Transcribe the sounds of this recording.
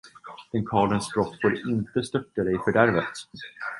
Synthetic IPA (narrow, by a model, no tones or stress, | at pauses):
d̪ɛnkʰɑːɭənsbɾɔt̪ːfoːɾɪnt̪əst̪œʈːad̪ɛjfœɖæɾvət̪